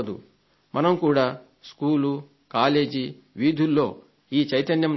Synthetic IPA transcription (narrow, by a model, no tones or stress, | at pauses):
d̪ṵ | mʔɐnɐmkuːɽaː | skuːlu | kaːle̞ːd͡ʒi | ʋiːd̪ʱulːo̞ː | iːt͡ʃɐjt̪ɐnjɐm